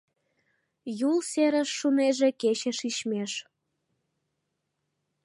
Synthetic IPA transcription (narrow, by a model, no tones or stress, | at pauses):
julseɾəʃːuneʒeket͡ɕeʃiʃmeʃ